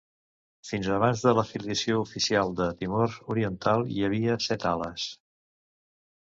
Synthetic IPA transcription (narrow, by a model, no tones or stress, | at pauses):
finzəβanzðələfiliəsioufisialˠd̪ət̪imoɾuɾiənt̪alˠjəβ̞iəsɛt̪alə̰s